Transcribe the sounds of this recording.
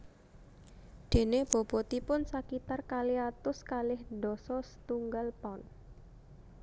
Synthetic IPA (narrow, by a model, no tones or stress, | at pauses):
d̪̥e̤neb̥ɔ̤b̥ɔt̪ipʊnsakit̪arkaliat̪ʊskalɪhnɖdɔsɔsə̥t̪uŋɡalpan